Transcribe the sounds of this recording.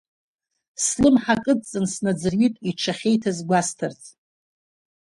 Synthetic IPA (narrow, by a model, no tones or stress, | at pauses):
slɨmħakʼɨt͡sʼɨnsnad͡zɨrɥitʼiʈ͡ʂʰaχʲe̞jtʰazɡʷastʰɨrtʰʼ